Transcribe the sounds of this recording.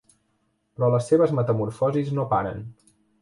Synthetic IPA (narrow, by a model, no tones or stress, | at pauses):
pɾɔləsːeβ̞əzmət̪əmuɾfɔziznopaɾə̰n